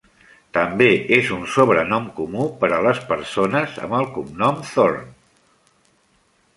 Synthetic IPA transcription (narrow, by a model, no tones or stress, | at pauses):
t̪əmbeʔezunsoβɾənɔmkumupəɾələspəɾsonəzə̰məlˠkumnɔmθoɾn